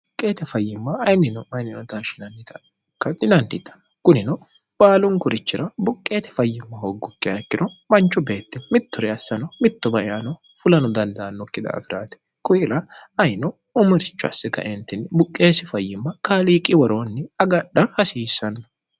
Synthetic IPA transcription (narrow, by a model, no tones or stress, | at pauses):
ʊkʼːe̞ːt̪ɛfɐjːɪmːɐɐjnːɪnɔɐjnːɪnɔt̪aːʃɪnɐnːɪt̪ɐ | kːɐd̪ɪd̪ɐnt̪ɪt̪ːɐ̥nɐkʊnɪnɔ | b̥aːlʊŋkʊɾɪt͡ʃːɪɾɐbʊkʼːe̞ːt̪ɛ̥fɐjːɪmːɐhoɡːʊkːɪɐkːɪɾɔmɐnt͡ʃːʊbe̞ːt̪ːɪmɪt̪ːʊɾɛɐsːɐnɐmɪt̪ːɔbɐʔɪanɔ | fʊlɐnɔd̪ɐnd̪ɐɐnːɔkːɪd̪ɐ̰ːfɪɾaːt̪ɛ̥ | kʼʊjɪɾɐɐjnɔ | ʊmʊɾɪt͡ʃːʊɐ̰sːɛkɐ̰ʔɛnt̪ɪnːɪbʊkʼːe̞ːsɪfɐjːɪmːɐkaːliːkʼɪwɔɾo̞ːnːɪɐɡɐɗɐhɐsiːsɐnːɔ̥